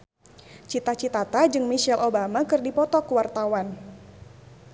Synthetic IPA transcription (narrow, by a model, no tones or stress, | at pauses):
t͡ʃit̪at͡ʃit̪at̪ad͡ʒɨŋmiʃɛlʔobamakɨrdipɔt̪ɔkuwart̪awan